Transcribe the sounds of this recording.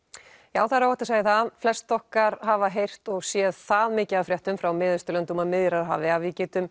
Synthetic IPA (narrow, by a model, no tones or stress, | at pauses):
jaːwθaɾawɛht̪asaːjɪθaflɛst̪θɔhkaɾ̥havaɦejr̥t̪ɔɣsjɛðθaðmɪːcɪaðfɾjɛht̪ʏmfɾawmɪːðɪst̪ʏlœnt̪uːmamɪðjɾaɾɦa̰ːvɪavɪcɛːt̪ʏm